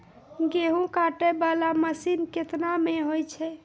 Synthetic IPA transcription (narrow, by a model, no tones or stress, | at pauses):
ɡeɦũkaʈɛbalaməsinket̪nameɦojt͡ʃʰɛ